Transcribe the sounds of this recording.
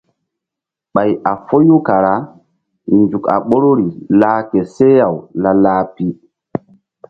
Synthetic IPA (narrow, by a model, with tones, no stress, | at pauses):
ɓa˨ja˨fo˦ju˦ka˨ɾa˦ | nd͡ʒu˨ka̰˨ɓo˦ɾo˦ɾi˨laː˦kɛ˨sɛ˦ja˨wla˦laː˦pi˦